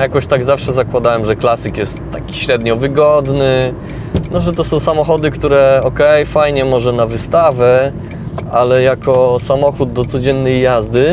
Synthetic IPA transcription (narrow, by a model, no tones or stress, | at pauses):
jakɔɕt̪aɡzafʂɛzakwad̪awɛmʐɛklasɘkjɛst̪ːakʲi̥ɕɾɛd̪ɲɔvɘɡɔd̪nɘ | nɔʐɛt̪ɔsɔ̃w̃samɔxɔd̪ɘkt̪uɾɛɔkɛjfajɲɛmɔʐɛnavɘst̪avɛ | ʔalɛjakɔsamɔxud̪̚ːɔt̪sɔd͡ʑɛnːɛjːazd̪ɘ